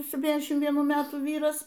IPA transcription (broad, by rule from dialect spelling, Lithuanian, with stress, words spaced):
sʲɛpʲˈtʲiːnʲɛzʲdʲɛʃʲɪm ʋʲiɛˈnuː ˈmʲæːtuː ˈʋʲiːrɐs